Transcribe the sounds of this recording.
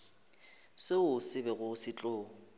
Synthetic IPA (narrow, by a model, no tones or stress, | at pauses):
sɪʊsɪbɛɣʊsɪt͡ɬʼʊːɔ